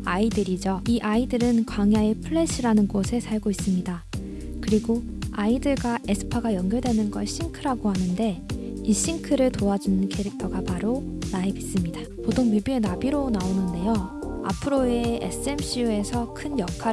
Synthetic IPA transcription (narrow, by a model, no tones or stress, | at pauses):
aidɯɾid͡ʑʌiʔaidɯɾɯnkwaŋjaepʰɯɭːe̞ɕʰiɾanɯnɡosʰe̞sʰaɭɡois͈ɯmɲida | kɯɾiɡo | aidɯɭɡwaʔe̞sʰɯ̥pʰaɡajʌŋɡjʌɭdwe̞nɯnɡʌɭɕ͈iŋkʰɯɾaɡohanɯnde̞iɕ͈iŋkʰɯɾɯɭtoad͡ʑunɯnkʰe̞ɾik̚tʰʌɡapaɾonaebis͈ɯmɲida | potʰoŋɥibie̞nabiɾonaonɯnde̞joa̰pʰɯɾoeḛs͈ɯe̞mɕʰiue̞sʰʌkʰɯnjʌkʰa